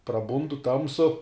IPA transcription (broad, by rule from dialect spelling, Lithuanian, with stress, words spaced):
prɐˈbʊndʊ ˈtɐmsʊ